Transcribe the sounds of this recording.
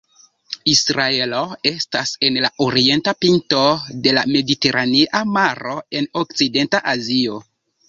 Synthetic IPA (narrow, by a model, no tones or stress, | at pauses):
isɾae̞loestase̞nlaʔoɾie̞ntapinto̞de̞lame̞dite̞ɾʔaniʔamaɾo̞e̞nok̚t͡side̞ntaʔazio̞